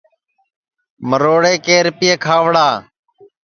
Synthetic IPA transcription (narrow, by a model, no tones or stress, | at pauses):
məɾoːɽeːkeːɾpɪeːkʰaːʋɽaː